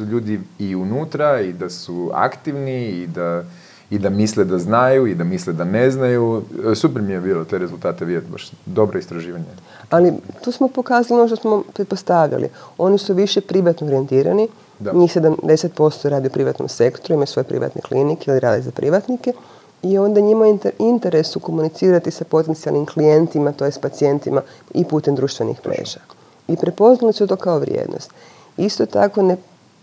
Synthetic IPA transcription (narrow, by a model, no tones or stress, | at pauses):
ʎuːd̪iiunut̪ɾaid̪asua̰kt̪iʋniid̪a | id̪amisled̪aznajuid̪amisled̪aneznajusupeɾmijebiːlˠot̪eɾezulˠt̪aːt̪eʋid̪et̪ba̰ʃd̪o̞bɾoist̪ɾaʒiːʋaɲe | alit̪uːsmo̞po̞kaːzalionoʃ̬d̪osmopɾet̪̚post̪aʋʎa̰lḭo̞nisuʋiʃepɾiʋat̪nooɾie̞nt̪iːɾa̰ni | ɲiːxse̞d̪amd̪e̞set̪̚po̞st̪oɾaːd̪iupɾiʋa̰t̪nomse̞kt̪oɾuimajusʋo̞jpɾḭʋa̰t̪nḛklinikeiliɾa̰ːd̪izapɾʔḭʋat̪nike̞ | io̞nd̪aɲimaint̪e̞ɾe̞suko̞munit̪siːɾat̪isapo̞t̪e̞nt̪sia̰lnimklije̞nt̪imat̪o̞jespat̪sie̞nt̪ima | ipuːt̪e̞md̪ɾuːʃt̪ʋenḭxplḛːʒa | ipɾepo̞znalisut̪o̞ːkaoʋɾjḛːd̪no̰st̪ | ist̪ot̪a̰ko̞ne